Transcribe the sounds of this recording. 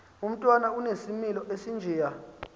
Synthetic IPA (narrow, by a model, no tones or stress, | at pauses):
um̩tʼwanaunesimilɔʔesind͡ʒʱɛːja